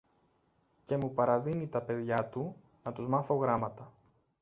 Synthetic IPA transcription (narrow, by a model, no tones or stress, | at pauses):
ce̞mupɐɾɐðinit̪ɐpe̞ðʝɐt̪u | nɐt̪uzmɐθo̞ɣɾɐmɐt̪ɐ